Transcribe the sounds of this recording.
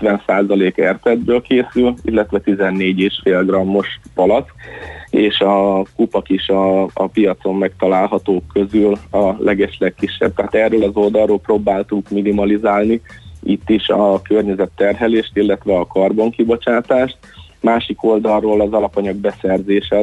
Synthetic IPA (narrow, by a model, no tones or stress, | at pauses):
t̪ʋɛnsaːzɒleːkɛrt̪ɛd̪̚bøːlkeːsylḭlːɛt̪ʋɛt̪izɛnːeːɟeːʃfeːlɡrɒmːo̞ʃpɒlɒt̪ | eːʃɒkupɒkiʃɒːpijɒt̪so̞mːɛkt̪ɒlaːlɦɒt̪oːkʰːø̞zylɒlʔɛɡɛʃlɛkːiʃːɛ̰b̚t̪ɛɦaːt̪ɛrːøːlɒzo̞ld̪ɒroːlproːbaːlt̪ukminimɒlizaːlniit̪ːiʃɒkørɲɛzɛt̪ːɛrɦɛleːʃt̪ilːɛt̪ʋɛɒkɒrboŋkibo̞t͡ʃaːt̪aːʃt̪ | maːʃiko̞ld̪ɒroːlɒzɒlɒpɒɲɒɡbɛsɛrzeːʃɛ